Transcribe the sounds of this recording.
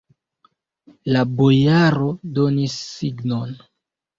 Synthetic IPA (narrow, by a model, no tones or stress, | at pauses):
labojaɾo̞do̞nisːiɡno̞n